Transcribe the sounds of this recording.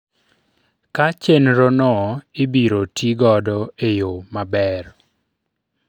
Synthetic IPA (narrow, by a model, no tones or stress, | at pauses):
kat͡ʃenɾonɔɪbiɾotʰiɡɔdɔejomabɛr